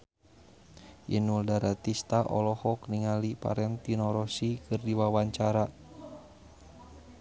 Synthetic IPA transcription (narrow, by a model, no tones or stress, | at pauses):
ʔinuldaɾat̪ist̪aʔɔ̰lɔhɔkniŋalipa̰ɾɛnt̪inɔɾɔsikɨrdiwawaɲt͡ʃaɾa